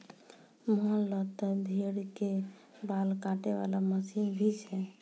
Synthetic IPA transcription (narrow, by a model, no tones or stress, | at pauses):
mɦələt̪əd̪ʱeɽke | balkaʈeβa̰laməsinbʱit͡ʃɛ